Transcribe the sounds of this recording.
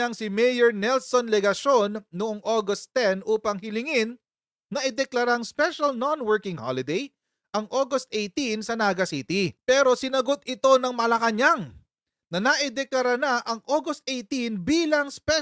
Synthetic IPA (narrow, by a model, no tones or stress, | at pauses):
ɐŋsɪmejoɹnɛlsonlɛɡɐʃo̞nːʊʔoŋʔoɡɐst̪ːɛnʔuːpɐŋhɪlɪŋɪnː | ɐʔɪd̪ɛklɐɾaɐŋspɛʃɐlnonwɛɹkɪŋha̰lɪd̪ej | ʔɐŋʔoɡɐst̪ʔejt̪insɐnaːɡɐsiːt̪ipɛːɾo̞sɪnɐɡo̞t̪ɪt̪o̞nɐŋmɐlɐkɐɲaŋ | nɐnɐʔɪd̪ɛklɐɾanaʔɐŋʔoɡost̪̚ʔejt̪inbiːlɐŋspɛ